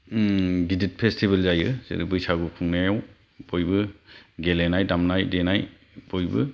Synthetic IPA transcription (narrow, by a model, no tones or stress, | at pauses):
ɡidit̚pʰestʰibelzajɯz̥ḛɾibɯjsaɡukʰuŋnajaw | b̥ɔjbɯɡelenajdamnajdenaj | bɔjbɯ